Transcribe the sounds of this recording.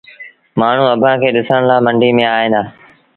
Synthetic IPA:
maːɳ̤ũɐbʱãːkʰeːɗɪsəɽ̃laːmɐ̃ɳɖʱimẽaːɦɪnaː

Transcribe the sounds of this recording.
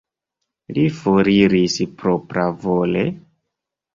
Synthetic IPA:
lifoɾiɾispɾopɾavolḛ

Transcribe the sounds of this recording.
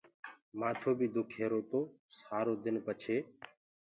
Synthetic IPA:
maːt̪ʰoːbʱiːd̪ʊkʰeːɾoːt̪oːsaːɾoːd̪ɪnpət͡ʃʰeː

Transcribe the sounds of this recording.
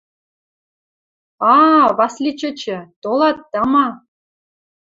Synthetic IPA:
ɑβɑslʲit͡ɕɤ̆t͡ɕɘ̆t̪olˠɑt̪ːɑmɑ

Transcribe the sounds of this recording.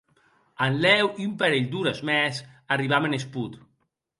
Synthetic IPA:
anlɛwiumpaɾeʎd̪uɾazmɛsariβamenesput̪

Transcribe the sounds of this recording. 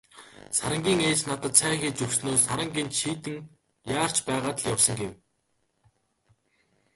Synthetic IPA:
saɾə̆ŋɡʲiːŋeːsnat̪ə̆t̪sʰæːxeːt͡ɕɵwsnoːsaɾə̆ŋɡent̪ʃiːt̪ɘ̆ŋ | jaːr̥t͡ɕpæːʁaːt̪ə̆ɮjawsə̆ŋɡew

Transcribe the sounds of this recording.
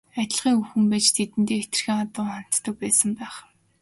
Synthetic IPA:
æt̪ʲɪ̆ɮʁiːŋuxɘ̆mpæːt͡ɕt̪ʰet̪ɘ̆nt̪eːet̪ɘ̆rxiːŋat̪ʊːχan̥t̪ːə̆k̚pæːsə̆mpæːχ

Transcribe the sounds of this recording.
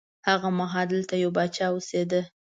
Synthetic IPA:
haɣamaɦɑld̪əlt̪ajawbat͡ʃɑwosed̪ə

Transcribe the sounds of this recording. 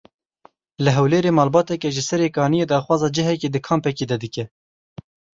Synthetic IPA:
lɨɦɛwleːɾeːmɑːlbɑːt̪ɛkɛʒɨsɛɾeːkɑːnijeːd̪ɑːχwɑːzɑːd͡ʒɪɦɛkeːd̪ɨkʰɑːmpɛkeːd̪ɛd̪ɨkɛ

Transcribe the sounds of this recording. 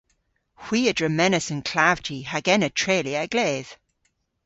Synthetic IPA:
hw̥iːədɹəmɛnəsənkʰl̥avd͡ʒihaɡɛnətʰɹeːliaɡ̥leːð̥

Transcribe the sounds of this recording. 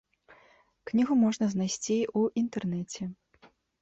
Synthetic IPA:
knʲiɣumɔʐnɐznajsʲt͡sʲiuʔint̪ɛrnɛt͡sʲɛ

